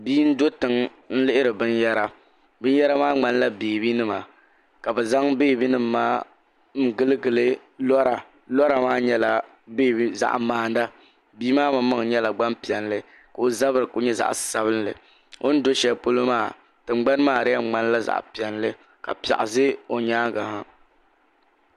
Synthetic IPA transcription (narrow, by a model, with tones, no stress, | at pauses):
biː˦n̩˦do˦tɨ˨ŋ | n̩˦lɪ˦ʔɪ˦ɾɨ˨bɨ˦njɛ˦ɾa˦ | bɨ˦n˦jɛ˦ɾa˦maː˦ŋ͡ma˦nla˦beː˨bi˦nɨ˦ma˨ | ka˨bɛ˨za˦ŋbeː˦˨bi˦nɨ˦m̩ː˨aː˦ | n̩˨˦ɡɨ˦lɨ˦ɡɨ˨lɨ˦ | lɔ˦ɾa˨ | lɔ˦ɾa˨maː˦ɲɛ˦la˨ | be˦˨i˦za̰˨ʔmaː˨n˦da˦ | biː˦maː˦ma˨˦mɨ˦ŋ˨ɲɛ˦la˨ɡ͡ba˦mpi˨ɛ˨nlɨ˦ | ka˨o˦za˦βɨ˦ɾɨ˨ko˦ɲɛ˦za̰˨ʔsa˦βɨ˦nlɨ̰˨ | o̰˦n̩˦do˦ʃɛ˦po˦lo˦maː˦˨ | tɨ˨ŋ͡m̩˦ɡ͡ba˦n˦maː˨ɾɪ˦a˦˨ŋ͡ma˦n˦la˦za̰˨ʔpi˨ɛ˨nlɨ˦ | ka̰˨pa̰˨ʔa˨zɨ˦o˨ɲaː˦ɡa˨ha˦